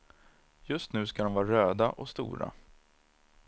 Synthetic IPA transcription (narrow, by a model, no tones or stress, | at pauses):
jɵst̪nʉ̟ːskad̪ɔmvɑːɾaɾøːd̪aʔɔst̪ṵːɾa̰